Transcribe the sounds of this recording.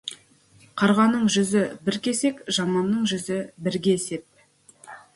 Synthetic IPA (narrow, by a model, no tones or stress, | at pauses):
qʰɑɾʁɑnːəɴʒʏzɪbɪɾkʲe̞se̞kʒɑmɑnːəɴʒʏzɪbɪɾɡʲe̞ːse̞p̚